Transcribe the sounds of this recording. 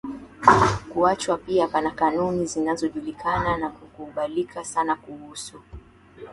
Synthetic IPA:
kuat͡ʃwapiapanakanunizinazɔʄulikʰananakukuːɓalikʰasanakuhusu

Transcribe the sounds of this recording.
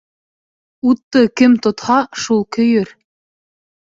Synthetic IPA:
ut̪ːɤkɘmt̪ŏt̪hɑʃulˠkɵ̆jɵɾ

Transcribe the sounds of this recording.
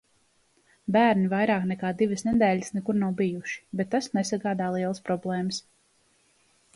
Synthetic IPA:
bæːɾnivajɾaːknɛkaːd̪ivəsnɛd̪ɛːləsnɛkuɾnawbijuʃi̥bɛt̪ːasnɛsaɡaːd̪aːlˠiɛlˠəspɾɔblˠɛːməs

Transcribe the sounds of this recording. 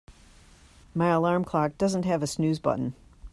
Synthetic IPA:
maɪəlɑɹmkʰl̥ɑk̚d̥ʌz̃n̩t̚ɦɨvɨsnʉzbʌ̰ʔn̩

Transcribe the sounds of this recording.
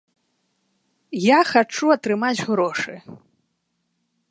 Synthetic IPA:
jaxat͡ʂuɐt̪ɾɨmad͡zʲɣɾɔʂɨ

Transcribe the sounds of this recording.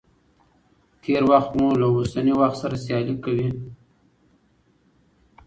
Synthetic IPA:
t̪ʰeɾwaxt̪mulaosaniwaxt̪saɾasjɑlikawi

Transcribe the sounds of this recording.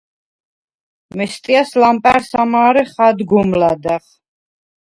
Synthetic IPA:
mɛst̪ʼiaslampʼæɾsamaːɾɛχad̪ɡumlad̪aʁ

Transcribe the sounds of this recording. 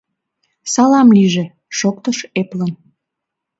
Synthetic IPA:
sɑlɑmliʒe | ʃokt̪əʃeplən

